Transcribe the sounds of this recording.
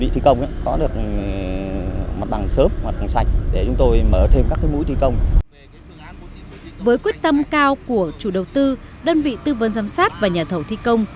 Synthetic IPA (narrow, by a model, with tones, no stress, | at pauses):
vḭ˧˨t̪i˧kə˧wŋ͡mʔaː˨˦kɔ˨˦ɗɨ˨˩ək̚ | ma˨˩t̚ɓa˨˩ŋsəː˨˦˥p̚ma˨˩t̚ɓa˨˩ŋsa˨˩jk̟̚ɗe˧˩t͡ɕʊ˨˦ŋ͡mt̪o˧jməː˧˩t̪ʰe˧mkaː˦˥kːaː˨˦jmṵ˧˥jt̪ʰi˧kə˧wŋ͡m | vəː˨˦jkwi˦˥ət̚t̪ə˧mkaː˧wku˧˩ət͡ɕu˧˩ɗə˨˩wt̪ɨ˧ | ɗəː˧nvḭ˧˨t̪ɨ˧və˨˦nzaː˨˦msaː˦˥t̚vaː˨˩ɲaː˨˩t̪ʰə˧˩wt̪ʰi˧kə˧wŋ͡m